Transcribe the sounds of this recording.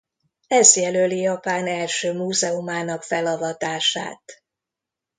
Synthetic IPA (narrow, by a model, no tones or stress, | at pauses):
ɛzjɛlølijɒpaːnɛlʃøːmuːzɛumaːnɒkfɛlɒvɒt̪aːʃa̰ːt̪